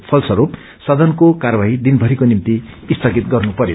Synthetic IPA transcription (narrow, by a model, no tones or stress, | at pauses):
pʰʌlsʌɾup | sʌd̪ʌnkokarbaɦid̪inbʱʌɾikonimt̪iist̪ʰʌɡit̪̚ɡʌrnupʌɾjo̰